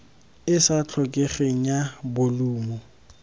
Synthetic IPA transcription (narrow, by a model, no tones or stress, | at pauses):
ɪsat͡ɬʰɔkʼeχeŋ̩jabʊluːmɔ